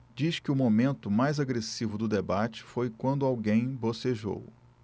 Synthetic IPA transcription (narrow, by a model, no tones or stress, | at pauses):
d͡ʒiʃkɪʊmomẽnt̪ʊmajzaɡɾesivʊd̪ʊd̪ebat͡ʃɪ̥fojkwɐ̃nd̪ʊawɡẽj̃boseʒo̰w